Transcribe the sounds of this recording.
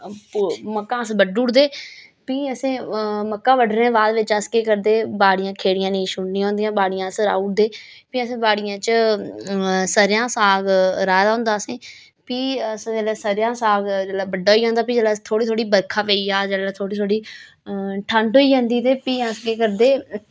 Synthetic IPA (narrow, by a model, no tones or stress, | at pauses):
məkːãːəsbəɖuːɽd̪eː | piːəsẽːməkːãːʋəɖɾẽːʋaːd̪ʋɪt͡ʃəskeːkəɾd̪eːbaːɽɪjãːkʰeːɽɪjãːnĩːʃʊɳːĩːɦõːnd̪ijãːbaːɽɪjãːəsɾa̰ːuːʈ̚d̪eː | piːəsẽːbaːɽɪjãːt͡ʃ | səɾjãːsaːɡɾaːd̪aːʊ̃nd̪aːsẽː | piːəsd͡ʒɛlɛːsəɾjãːsaːɡd͡ʒəːlaːbəɖːaːɦoiːd͡ʒãːnd̪aːpiːd͡ʒɛːlaːt̪ʰoːɽiːt̪ʰoːɽiːbəɾkʰaːʋeːiːaːd͡ʒəːlɛːt̪ʰoːɽiːt̪ʰoːɽiː | ʈʰəɳʈɦoːiːd͡ʒãːnd̪iːt̪eːpiːəskeːkəɾd̪eː